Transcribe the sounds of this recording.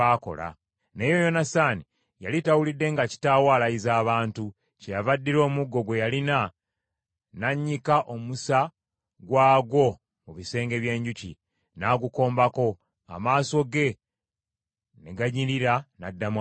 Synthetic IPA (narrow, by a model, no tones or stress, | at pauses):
aːko̞̰la̰ | ne̞ːjo̞jo̞nasaːni | jalitawulidːe̞ŋɡaci̥taːwalaizaːβaːntu | cejavadːiɾo̞ːmuɡːo̞ɡwe̞jalina | naɲːikaʔo̞musa | ɡwaːɡwo̞ | muβise̞ːŋɡe̞βje̞ːɲɟucḭ | naːɡuko̞ːmbako̞ | a̰maːso̞ɡe̞ | neɡaɲiɾiɾanadːam